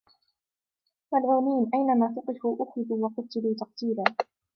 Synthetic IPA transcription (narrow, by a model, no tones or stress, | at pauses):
malʕuːniːnʔajnamaːθʊqɪfuːʔʊxɾɪduːwɑqʊt̪ːɪluːt̪ɑq̚t̪iːlaː